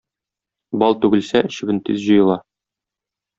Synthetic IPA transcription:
bɒlˠt̪ʉɡɘ̆lsæʔɘ̆ɕɘ̆bɘ̆nt̪izʑɤ̆jɤ̆lˠɑ

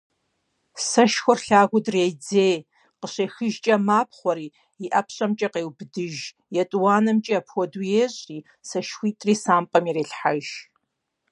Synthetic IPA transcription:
sɐʃxʷɔrɬaːɣʷʊdreːjd͡zeː | qəɕeːxɨʒt͡ʃʼɐmaːp̚ʰχʷɔɾiː | iʔɐpʰɕʼɐmt͡ʃʼɐqeːwbdɨʒ | jɛtʼwaːnɐmt͡ʃʼɐpʰwɔdujeːɕʼiː | sɐʃxʷiːtʼriːsaːmpʼɐmiɾeːɬħaʒ

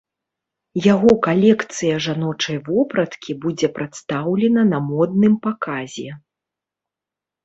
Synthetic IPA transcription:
jaɣɔkalʲɛkt̪sɨjɐʐanɔt͡ʂɐjvɔpɾɐt̪kʲibud͡zʲɛpɾʔat̪st̪awlʲɛnɐnɐmɔd̪̚nɨmpakazʲɛ

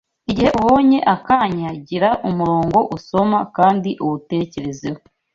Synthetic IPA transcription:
iɟihe̞ʔuβo̞ːɲe̞ʔakaɲaɟiɾaʔumuɾoːŋɡo̞ʔuso̞makaːndiʔuβute̞ce̞ɾe̞zewo

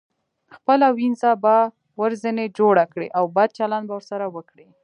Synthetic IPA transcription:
xpəlawinzaba | waɾzəned͡ʒoɽakɽḛʔawbad̪̚t͡ʃaland̪̚bawəɾsaɾawəkɽi

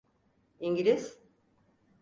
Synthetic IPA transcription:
iɲɟilʲiz̥

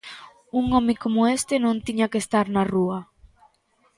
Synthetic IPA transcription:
uŋɔmɪkomʊest̪ɪnõnt̪iɲakest̪aɾnaruɐ

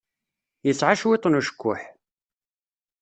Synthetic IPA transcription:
jəsːʕaʃwɪt̪ˤːnuʃə̥kʷːʊ̰ħ

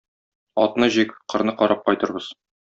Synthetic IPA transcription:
ɒ̰t̪nɤʑikɘ̥qɤ̆ɾnɤqɒɾʔɑp̚qɒjt̪ɤ̆ɾbɤz̥

